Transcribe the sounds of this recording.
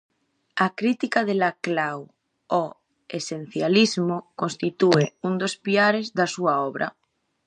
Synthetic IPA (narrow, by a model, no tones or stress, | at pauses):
akɾit̪ikaðelaklaw | o | esen̟θjalizmokõnst̪it̪ueund̪ospiaɾezðasuaoβ̞ɾʔa̰